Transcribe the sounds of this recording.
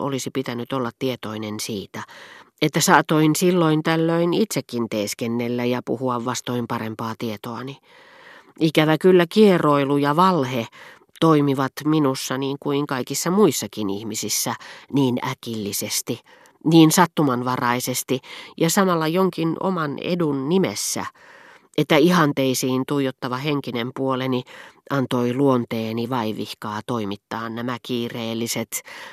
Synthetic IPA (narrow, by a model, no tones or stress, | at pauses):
ʔo̰lisipit̪ænyt̪olːɑt̪tiet̪oinensiːt̪æ | et̪ːæsɑːt̪oinsilːoint̪ælːøinit̪sekːint̪eːskenːelːæjɑpṵhuɑʋʋɑst̪oimpɑrempɑːt̪iet̪oɑni | ikæʋækylːækieroilujɑʋɑlhe | t̪oimiʋɑt̪minusːɑniːŋkuiŋkɑikisːɑmuisːɑkinḭhmisisːæniːnækilːisest̪i | niːnsɑt̪ːumɑnʋɑrɑisest̪ijɑsɑmɑlːɑjoŋkino̰mɑnḛdunnimḛsːæ̰ | et̪ːæihɑnt̪eisiːnt̪uijot̪ːɑʋɑheŋkinempuoleniʔɑnt̪oiluont̪eːniʋɑiʋihkɑːt̪oimit̪ːɑːnnæmækiːreːlːiset̪